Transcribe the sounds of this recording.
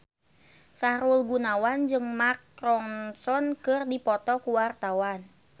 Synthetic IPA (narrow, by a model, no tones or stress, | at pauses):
saɾulɡunawand͡ʒɨŋmakɾɔŋsɔnkɨrdipɔt̪ɔkuwart̪awan